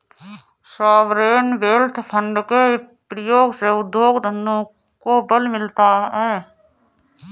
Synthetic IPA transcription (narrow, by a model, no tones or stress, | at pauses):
saːʋɾeːnʋeːlt̪ʰpʰə̃ɳɖke | pɾəjoːɡseʊd̪joːɡd̪ʱənːõ | kobəlmɪlt̪aɦɛː